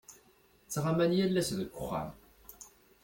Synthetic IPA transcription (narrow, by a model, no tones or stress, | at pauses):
t͡sːʁamænjælːæsðəɡʷʊχa̰m